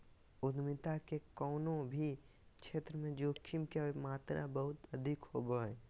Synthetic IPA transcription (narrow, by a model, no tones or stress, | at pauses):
ʊd̪mɪt̪akekɔːnõbʱi | kt͡ʃʰeːt̪ɾəmẽd͡ʒoːkʰːimkeemaːt̪ɾa̰bəɦʊt̪əd̪ʱɪkhoboɛ